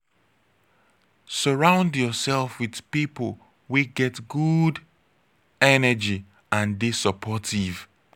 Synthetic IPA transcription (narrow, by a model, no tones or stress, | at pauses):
səɹãʊ̃ndjɔsɛlˠfwið̥pipəl | wiɡɛtɡud | ɛnəd͡ʒi | ãndisəpʰɔtiv̥